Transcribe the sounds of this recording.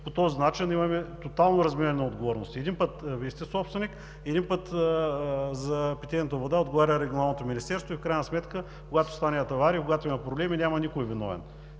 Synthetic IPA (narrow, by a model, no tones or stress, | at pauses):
pot̪ɔzinat͡ʃinimɐmɛt̪ot̪alˠnoɾɐzmiɾɐnɛnɐod̪ɡovɔɾno̰st̪iɛd̪inpɤt̪vist̪ɛsɔpst̪vɛnik | ɛd̪inpət̪ | zɐpit̪ɛnnət̪əvod̪aod̪ɡovaɾʲəɾɛɡʲionalˠnot̪ominʲist̪ɛɾst̪voifkɾajnəsmɛt̪kə | koɡat̪o̥st̪anʲiət̪ɐvaɾikoɡat̪oimɐpɾoblɛminʲamɐnikoivinɔ̰vɛ̰n